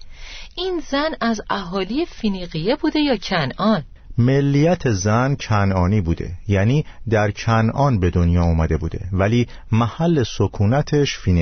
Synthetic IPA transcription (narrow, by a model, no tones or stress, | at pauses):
ʔinzænæzæɦɒːlijefiniɣijebuːd̪e̞jɒːcʰænʔɒn | me̞lːijæt̪ʰe̞zæncʰænɒːniːbuːd̪e̞̰jæːniːd̪æɾcʰænʔɒːnbe̞d̪o̞njɒːuːmæd̪e̞bṵːd̪e̞̰væliː | mæhælːe̞sokʰuːnæt̪ʰe̞ʃfin